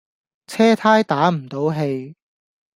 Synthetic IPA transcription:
t͡sʰɛː˥t̪ʰaː˥jt̪aː˨˥m̩˨˩t̪o˨˥wɦe˧j

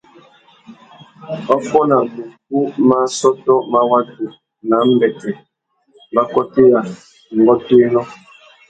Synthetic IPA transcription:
ɔ˦pɔ˦na˨mu˨ku˦ma˦sɔ˦tɔ˦ma˦wa˦tu˨ | na˨˦m̩˦bɛ˨tɛ˨ | ba˦kɔ˦te˦ja˨ | ŋ̩˨ɡɔ˦teː˦nɔ˦

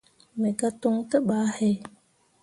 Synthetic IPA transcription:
me˨ka˦to˦ŋtə˦ɓa˨˦he˦

